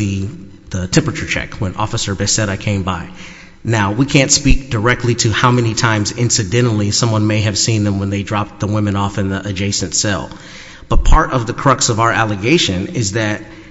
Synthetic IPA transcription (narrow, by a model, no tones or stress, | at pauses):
ɨ | ðətʰɛ̃mpɹɨt͡ʃə˞t͡ʃʰɛ̰kwə̃nɔ̰fəsə˞bɨsɛɾaɪkʰẽɪ̃mbaɪ | naʊwikʰæ̃ntspik̚d̥ə˞ɛk̚tʰˡliɾɨhaʊmɛnitʰãɪ̃mzɪ̃nsɨdɛ̃ɾ̃l̩ˠisʌ̃mwʌ̃nmeɪɨv̥sĩnðə̃mwə̃nðeɪdɹɑp̚t̪̚ðəwɪ̃mɨ̃nɔfɨ̃nðiʔɨd͡ʒeɪsɨ̃ntsɛ̰lˠ | b̥ʌt̚pʰɑɹɾʔʌvðɨkʰɹ̥ʌksʌvaʊə˞ʔælˠəɡeɪʃɨ̃nɪzðɨt̚